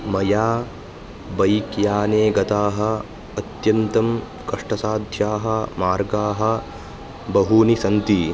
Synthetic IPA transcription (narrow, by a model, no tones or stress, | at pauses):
mɐjaː | bɐjkjaːneːɡɐt̪aːɦɐ̆ː | t̪jɐnt̪ɐm | kɐʂʈɐsaːd̪ʱjaːɦɐ̆maːɾɡaːɦɐ̆ | bɐɦunisɐnt̪i